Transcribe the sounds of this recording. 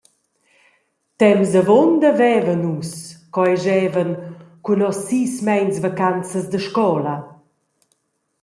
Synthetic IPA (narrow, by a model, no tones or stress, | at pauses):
t̪ɛmzəvɔnd̪əvɛːvənuskɔɛʒɛːvənkunɔsːismɛjnsvakant͡səzd̪əʃkɔla